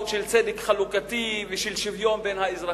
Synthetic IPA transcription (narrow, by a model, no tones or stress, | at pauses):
t̪ʃelt͡sed̪ekχalukat̪iveʃelʃivjo̞mbenhaezʁa